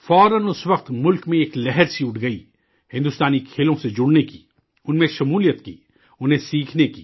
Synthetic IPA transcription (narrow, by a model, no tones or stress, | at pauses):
fɔːɾənʊsʋɐqt̪mʊlkmẽeːklɛɦɛɾsiʊʈʰɡɐiː | hɪ̃nd̪ʊst̪aːnikʰeːlõsed͡ʒʊɽneki | ʊnmẽʃɐmuːlijət̪kḭː | ʊnɦẽsiːkʰnekḭː